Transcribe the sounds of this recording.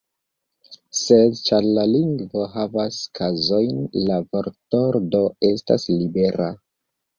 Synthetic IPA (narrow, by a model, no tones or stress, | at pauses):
se̞dt͡ʃaɾlaliŋɡvoɦavaskʰazo̞jnlavoɾto̞ɾdo̞e̞sta̰slibe̞ɾa